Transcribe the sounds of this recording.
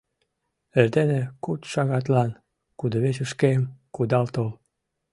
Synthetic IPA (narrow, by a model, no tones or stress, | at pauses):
erd̪enekut̪ʃɑɣɑt̪lɑn | kud̪oβet͡ɕuʃkemkud̪ɑlt̪ol